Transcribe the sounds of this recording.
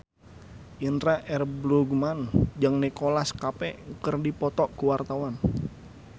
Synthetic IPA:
ʔinɾaʔɛrbluɡmand͡ʒaŋnikolaskapɛkərdipɔt̪ɔʔkuwart̪awan

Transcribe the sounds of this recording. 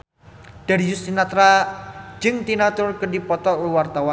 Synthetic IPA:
d̪̥adijust̪inat̪ɾḁd͡ʒɨŋt̪inat̪ʊrkədipɔt̪ɔuwart̪awa

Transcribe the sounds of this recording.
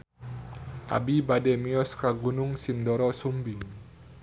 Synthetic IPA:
ʔa̰bibadɛmiɔskaɡunʊŋsindɔɾɔsumbiŋ

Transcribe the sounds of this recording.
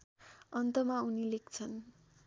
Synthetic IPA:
ʌnt̪ʌmaunilek̚t͡sʰʌn

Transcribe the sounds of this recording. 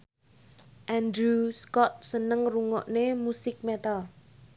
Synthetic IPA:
ʔɛnd̪ɾuskɔt̪̚sənəŋruŋɔ̰ʔnemusɪk̚mɛt̪al

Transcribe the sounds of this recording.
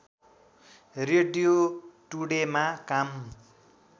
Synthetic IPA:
reɖijoʈuɽemakam

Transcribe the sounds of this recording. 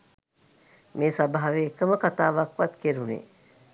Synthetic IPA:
meːsabaɦaʋeːkəməkat̪aːʋakʋat̪keɾunḛː

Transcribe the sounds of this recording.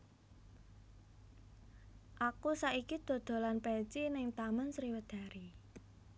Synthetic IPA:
ʔakusaikid̪̥o̤d̪̥o̤lanpɛt͡ʃinɪŋt̪amənsɾiwəd̪̥a̤ɾi

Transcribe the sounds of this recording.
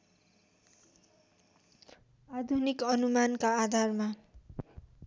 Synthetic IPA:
ad̪ʱunikʌnumankaːd̪ʱarma

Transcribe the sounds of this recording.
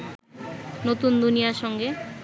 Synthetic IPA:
not̪und̪unijaʃɔŋɡe

